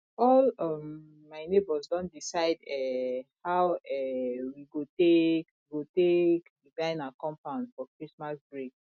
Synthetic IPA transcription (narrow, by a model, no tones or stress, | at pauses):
ɔlɔmː | aɪnebɔzdɔ̃ndisaɪdɛhawɛwiɡotekwɡotekdiɡãɪ̃nakɔ̃mpãʊ̃nsfɔkɹismasbɹek